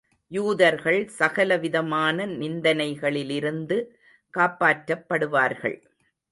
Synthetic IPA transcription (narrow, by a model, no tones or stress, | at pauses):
juːðɐɾɣɐɭsɐɣɐlɐʋɪðɐmaːnɐnɪnd̪ɐnɐɪɣɐɭɪlɪɾɯnd̪ɯ | kaːpaːʈɾɐpːɐɽɯʋaːɾɣɐ̰ɭ